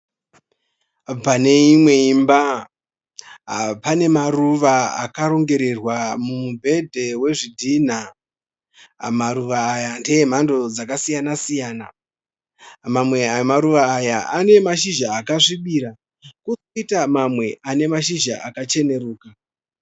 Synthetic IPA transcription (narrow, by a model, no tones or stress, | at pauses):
pane̞imwe̞imba | pane̞maruʋaa̰kaɾo̞ŋɡe̞ɾerwamumubʱe̞dʱe̞we̞ʐidʱin̤a | maɾuʋaːjandejem̤ando̞d͡zakasijanasijaːna̰ | mamwe̞amaɾuʋaːjaʔane̞maʃiʒaːkaʂiɓiɾa | kusoitamamwe̞ʔane̞maʃiʒaʔakat͡ʃe̞ne̞ɾuːka